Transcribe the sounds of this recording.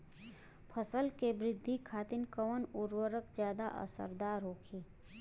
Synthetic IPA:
pʰəsəlkebɾɪd̪ʱːikʰaːt̪ɪnkəʋənʊɾwəɾəkd͡ʒjaːd̪a̰ʔə̰sə̰ɾd̪aːɾɦoːkʰiː

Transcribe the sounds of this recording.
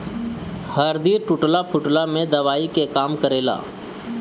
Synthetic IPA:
həɾd̪iːɾʈʊʈlapʰʊʈlamẽd̪ɐʋaːikekaːmkəɾeːla̰ː

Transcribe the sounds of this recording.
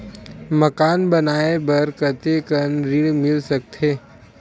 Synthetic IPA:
məkaːnbɐnaːebəɾkət̪ekənɾiɽmɪlsɐk̚t̪ɦeː

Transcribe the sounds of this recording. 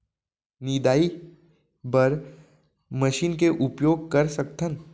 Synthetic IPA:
niːd̪aːi | bɐɾ | mɐʃiːnkeʔʊpjoːɡ̚kɐɾsɐk̚t̪ʰən

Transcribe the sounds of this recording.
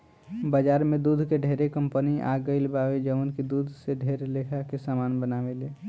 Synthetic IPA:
bəd͡ʒaːɾmẽd̪ud̪ʱkeɖʱeɾekə̃mpəniʔa̰ɡəɪlbaʋed͡ʒəʋənkid̪ud̪ʱseɖʱeɾlekʰakesaːmaːnbənaːʋele

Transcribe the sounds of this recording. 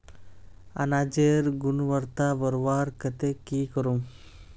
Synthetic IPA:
ɐ̰naːd͡ʒeɾɡʊnʋɐɾt̪aːʋɐɾʋaːɾkɐt̪ekiːkɐɾum

